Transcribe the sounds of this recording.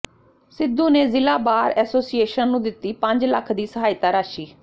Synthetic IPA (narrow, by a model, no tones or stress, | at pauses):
sɪd̪ːuːneːzɪlaːbaːɾɛːsoːsieːʃənːũːd̪ɪt̪ːiːpəɲd͡ʒləkʰd̪iːsəɦaːɪt̪aːɾaːʃiː